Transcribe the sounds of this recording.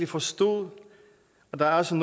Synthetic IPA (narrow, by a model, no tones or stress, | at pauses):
d̥ifɒ̽sd̥ɔ̰ðˠ | ɒd̥ɑ̈æɐɒsən